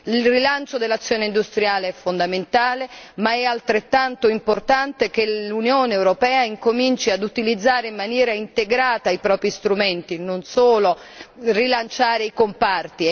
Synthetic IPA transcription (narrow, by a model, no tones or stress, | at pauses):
ilrilant͡ʃod̪elːat̪sːjoːneind̪ust̪ɾjaːleɛfːond̪ament̪aːlemaɛalt̪ɾet̪ːant̪oimport̪ant̪ek̟elunjoːneːwɾopɛːaiŋkomint͡ʃiad̪ut̪ilid̪zːaːɾeimːanjɛːɾaint̪eɡɾaːt̪aipɾɔːpɾist̪ɾumɛnt̪inonsoːlo | rilant͡ʃaːɾeikompart̪i